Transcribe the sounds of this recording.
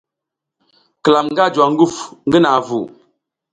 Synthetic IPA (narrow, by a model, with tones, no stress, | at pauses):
kə˨la˨mŋ˦ɡa˦˨d͡ʒwa˨ŋ˦ɡu˦˨fŋɡə˦na˨vu˨